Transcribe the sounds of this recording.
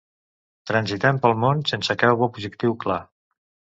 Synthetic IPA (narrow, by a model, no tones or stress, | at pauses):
t̪ɾənzit̪ɛmpəlˠmonsensəkɛwβɔpuzikt̪iwkla